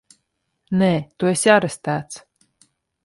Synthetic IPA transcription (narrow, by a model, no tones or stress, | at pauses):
nɛːt̪uesjaɾɛst̪æːt̪s